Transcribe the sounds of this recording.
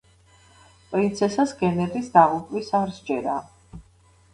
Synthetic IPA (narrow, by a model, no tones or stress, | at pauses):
pʼɾint̪sʰɛsasɡɛnɛd̪isd̪aʁupʼvisaɾsd͡ʒɛɾa